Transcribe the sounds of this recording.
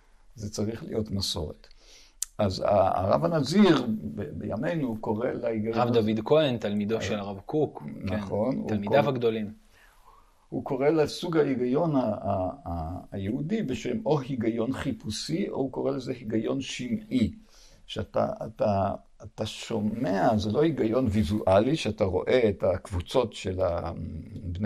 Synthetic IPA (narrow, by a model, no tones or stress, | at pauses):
zet͡saʁiχlḭjo̞tmaso̞̰ʁḛt | ʔaza̰ʁa̰vanaziʁbebḛja̰me̞jnuko̞ʁe̞leiɡajʁavd̪avid̪koent̪almid̪oʃelaʁavkuknχo̞nualmiavaɡd̪olim | huko̞ʁe̞lesuɡhaiɡajo̞naa | jeudibeʃemo̞ɦiɡajo̞nχipusiʔohuko̞ʁelezehiɡajo̞nʃinʔi | ʃeata̰ataː | taʃo̞meazelo̞hiɡajo̞nvizuʔaliʃeataʁo̞̰ʔeetakvut͡so̞tʃela̰ | bne